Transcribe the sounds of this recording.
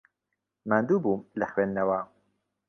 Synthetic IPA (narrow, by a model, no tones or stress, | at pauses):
mand̪uːbuːmlɐxwennɐwaː